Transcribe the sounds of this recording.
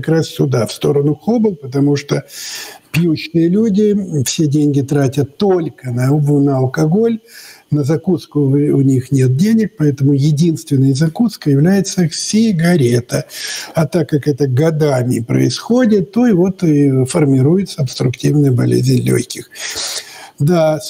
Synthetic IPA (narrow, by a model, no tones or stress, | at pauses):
ɐkɾassʲʊd̪afst̪o̞ɾənʊxobɨlˠpət̪ɐmuʂt̪opjut͡ɕnɨjəlʲudʲɪfsʲedʲenʲɡʲɪt̪ɾatʲət̪ːolʲkənɐvnəɐlˠkɐɡo̞lʲnəzɐkut̪skʊʊnʲixnʲet̪̚dʲenʲɪk̚pɐɛt̪əmʊjɪdʲinst̪vʲɪnːəjzɐkut̪skəjɪvlʲæjɪt̪səsʲiɡɐɾʲet̪əɐt̪akːakɛt̪əɡɐd̪amʲɪpɾə̰ɪsxodʲɪt̪ːo̞ivo̞t̪fərmʲɪɾujɪt̪səɐpst̪ɾʊktʲivnəjəbɐlʲḛzʲɪnʲlʲo̰çʲkʲɪx | d̪a